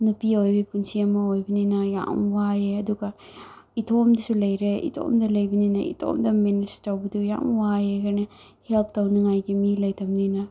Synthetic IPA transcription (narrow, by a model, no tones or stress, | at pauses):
nupiojbipunt͡ʃiɐmaojbinenaja̰mwajeɐd̪uɡa | it̪ʰomd̪isulɐjɾeḭt̪ʰo̰md̪ɐlɐjbinena̰ḭt̪ʰo̰ːmd̪ɐmenistawbid̪uja̰mwajekɐne | help̚t̪ɐwniŋajɡemilɐjt̪ɐmnena